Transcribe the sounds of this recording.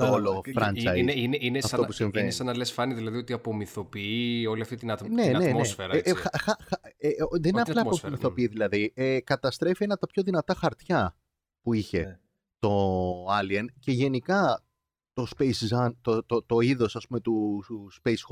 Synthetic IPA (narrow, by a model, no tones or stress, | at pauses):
t̪lofɾɐnɐjineʔineɐfsɐousimvenesɐnɐlesfɐniðilɐðiot̪iɐpo̞miθo̞piio̞liɐft̪it̪inɐt̪ne̞nennoesfeɾɐxɐxɐxɐeoðenineɐlɐːomiθo̞piiðilɐðiekɐt̪ɐst̪ɾe̞fie̞nɐt̪ɐpço̞ðinɐt̪ɐxɐɾt̪çɐ | puiçe̞ | t̪o̞ɐliɐnce̞ʝe̞nikɐ | t̪o̞spejszɐnt̪ot̪ot̪o̞iðo̞sɐspume̞t̪uspejs